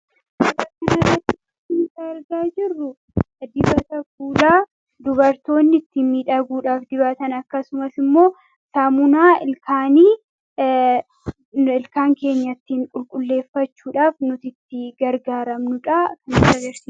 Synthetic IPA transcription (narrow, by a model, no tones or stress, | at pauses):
bɐbɐkɐnɐrːɐt̪ːɪɐt̪ɪɡaːɾɡaːd͡ʒɪrːʊ | d̪ɪbɐt̪ɐfuːlaː | d̪ʊβɐɾt̪o̞ːnːɪɪt̪ːɪmiːᶑɐɡuːᶑaːfd̪ɪbɐːt̪ɐnɐkːɐsʊmɐsɪmːo̞ː | samʊnaːɪlkaːniː | ɪlkaːŋke̞ːɲːɐt̪ːiːŋkʼʊlkʼʊlːe̞ːfːɐt͡ʃːuːᶑaːfnʊt̪ɪt̪ːɪɡɐɾɡaːɾɐmnʊᶑakɐnɪrɐɡɐɾsiː